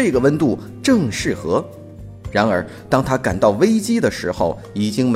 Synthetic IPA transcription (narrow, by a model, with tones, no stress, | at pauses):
ɤ˥˩ɡə˩wə˥nt̪u˥˩ | ʈ͡ʂɤ˥˧ŋʂɻ̩˥˩xɤ˧˥ | ɻa˧˥nə˞˧˥ | t̪ɑ˥ŋt̪ʰa˥ka˨˩nt̪ɑ˥˩ʊwe˥ɪt͡ɕi˥d̪ə˨ʂɻ̩˧˥xo˧˩ʊ | i˨˩t͡ɕi˥ŋm